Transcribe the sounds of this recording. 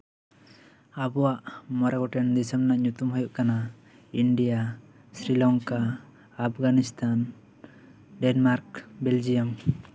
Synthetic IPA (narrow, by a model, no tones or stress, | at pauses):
abɔwaʔmɔɾaɡɔʈɛnd̪isəmnaʔɲut̪umɦujuʔkana | iɳɖija | sɾilɔŋkaː | p̚ʰɡanist̪ʰan | ɖɛnmaɾkbeld͡ʒijəm